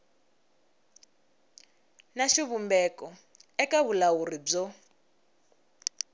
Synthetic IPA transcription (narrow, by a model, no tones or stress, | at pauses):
naʃiβumbɛkɔ | ɛkaβulawurib͡ʐɔ